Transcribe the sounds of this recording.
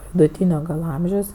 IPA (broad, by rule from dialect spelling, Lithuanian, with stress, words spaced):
ʋʲɪdʊˈtʲiːnʲoː ɡɐlˠ ˈɐmʲʒʲɛʊs